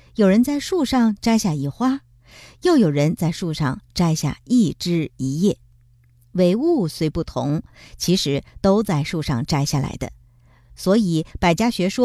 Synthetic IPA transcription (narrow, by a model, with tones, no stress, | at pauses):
jo˨˩ʊɻə˧˥nt͡sa˥˧ɪʂu˥˧ʂɑ˥˧ŋʈ͡ʂa˥ɪɕja˥˩i˧˥˩xwa˥ | jo˥˩ʊjo˨˩ʊɻə˧˥nt͡sa˥˧ɪʂu˥˧ʂɑ˥˧ŋʈ͡ʂa˥ɪɕja̰˥˩i˥˩ʈ͡ʂɻ̩˥i˧˥jɛ˥˩ | we˧˥ɪu˥˩swe˧˥ɪpu˥˩t̪ʰʊ̰˧˥ŋt͡ɕʰi˧˥ʂɻ̩˧˥t̪o˥ʊt͡sa˥˧ɪʂu˥˧ʂɑ̰˥˧˩ŋʈ͡ʂa˥ɪɕja˥˩la̰˧˥ɪd̪ə̰˧ | swɔ˧˥i˨˩˦pa˨˩ɪt͡ɕja˥ɕɥɛ˧˥ʂwɔ˥